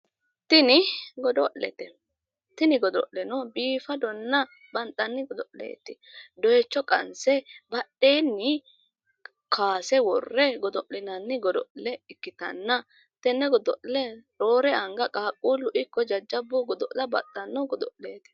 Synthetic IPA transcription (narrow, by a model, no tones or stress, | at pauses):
t̪ɪnɪɡɔd̪ɔʔlɛ̰t̪ɛ | t̪ɪnɪɡɔd̪ɔ̰ʔlɛnɔbiːfɐd̪ɔnːɐ | bɐnt̪ʼːɐnːɪɡɔd̪ɔʔlḛːt̪ːɪ | d̪ɔjɛt͡ʃːɔkʼɐ̰nsɛbɐɗːe̞ːnːɪ | kʰaːsɛwɔrːɛɡɔd̪ɔʔlɪnɐnːɪɡɔd̪ɔʔlɛɪkːɪt̪ɐ̰nːɐ | t̪ɛnːɛɡɔd̪ɔʔlɛɾo̞ːɾɛɐŋɡɐkʼaːkʼːuːlʊʔɪkːɔd͡ʒɐd͡ʒːɐbːʊɡɔd̪ɔʔlɐbɐ̰t̪ʼːɐnːɔɡɔd̪ɔʔleːt̪ɛ̥